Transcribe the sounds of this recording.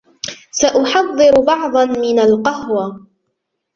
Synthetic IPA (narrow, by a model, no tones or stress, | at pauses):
saʔʊħɑðˤːɨɾʊbɑʕd̪ˤɑnmɪnalqɑhwa